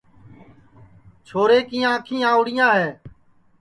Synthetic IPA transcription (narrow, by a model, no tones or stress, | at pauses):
t͡ʃʰoːɾeːkiːãːkʰĩːãːʊɽɪjãːɦeː